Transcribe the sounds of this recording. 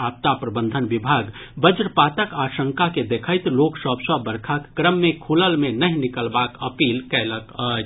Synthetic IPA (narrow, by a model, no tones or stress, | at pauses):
ap̚t̪apɾəbə̃nd̪ʱənbibʱaːɡbəd͡ʒɾpat̪əkaʃəŋkaked̪ekʰəɪt̪loksəbsəbəɾkʰakːɾəmːẽkʰuləlmenəɦĩnikəlbakəpiːlkɛləkə